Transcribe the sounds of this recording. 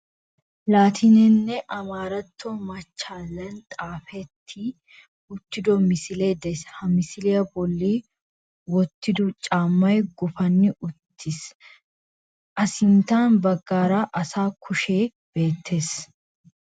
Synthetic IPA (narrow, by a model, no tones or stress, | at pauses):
laːt̪ʰɪnɛnːɛʔɐmaːɾɐt̪ʰːomɐt͡ʃːaːlːɐnt̪ʼaːfɛt̪ʰːi | ʊt̪ːɪd̪ɔmɪsɪleːd̪ɛshɐmɪsɪlɛjɐbɔlːiː | wɔt̪ːɪd̪ʊt͡ʃʼaːmːɐjɡʊfɐnːɪʔʊt̪ʰːɪs | ʔɐsɪnt̪aːnbɐɡːaːɾaːʔɐsaːkʰʊʃeː | b̥e̞ːt̪ʰːe̞ːs